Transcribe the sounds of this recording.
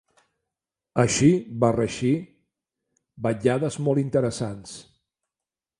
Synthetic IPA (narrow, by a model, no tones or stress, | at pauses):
əʃiβarəʃi | bəʎaðəzmɔlˠint̪əɾəsans